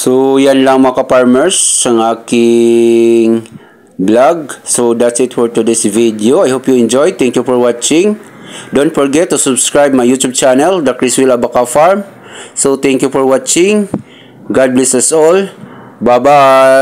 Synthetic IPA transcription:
sojanlɐŋmɐkɐpaɹmɛɹsːɐŋaːkɪ | ŋ | blaɡ̚sod̪at̪sɪt̪fɛɹt̪ʊd̪ɪsvid̪ɪoajhopjʊɛnd͡ʒɔjt̪ɛ̃ŋkjufɔɹwat͡ʃɪ̃ŋ | d̪ont̪fɔɹɡɛt̪ːʊsʊbskɹajb̚mɐjut̪ub̚t͡ʃanɛld̪ak̚ɹiswilabakafaɹm | sot̪ɛ̃ŋkjufɔɹwat͡ʃɪ̃ŋ | ɡad̪̚blɛsɐsol | baba

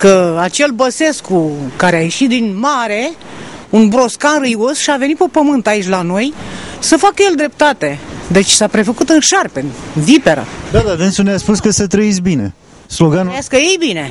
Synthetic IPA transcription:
kəat͡ʃe̞lbəse̞skukaɾeaje̞ʃit̪̚d̪inmaɾe̞unbɾo̞skanrɨjosʃiave̞nit̪̚pepəmɨnt̪ait͡ʃʲlano̞jsəfakəje̞ld̪ɾe̞p̚t̪at̪e̞d̪e̞t͡ʃʲsapɾe̞fəkut̪ɨnʃarpe̞nvipeɾə̰d̪ad̪avensuneaspuskəsət̪ɾəisbine̞̰ | sloɡanaskəjejbine̞

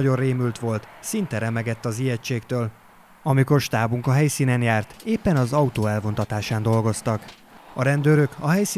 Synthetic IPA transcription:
ɟo̞reːmylt̪ʋo̞lt̪sint̪ɛɾɛmɛɡɛt̪ːɒzijɛt͡ʃeːkt̪øːl | ɒmiko̞rʃt̪aːbuŋkɒɦɛjsiːnɛnjaːrt̪eːpːɛnɒzɒut̪oːɛlvo̞nt̪ɒt̪aːʃaːnd̪o̞lɡo̞st̪ɒk | ɒɾɛnd̪øːɾøkɒɦɛjsi

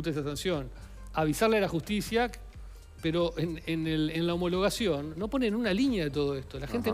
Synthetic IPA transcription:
t̪esasansjo̞n | aβ̞isaɾlealaxust̪isja | peɾo̞ʔenenelenlao̞mo̞lo̞ɣ̞asjo̞nːo̞po̞nenunaliɲjaðet̪̬o̞ð̞oe̞st̪o̞laxent̪̬e

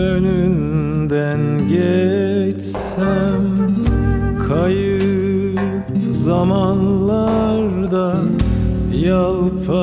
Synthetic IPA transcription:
ønynd̪ænɟɛt͡ʃ | sæm | kʰajɯ | p | zamanlˠaɾd̪a | jalˠpʰa

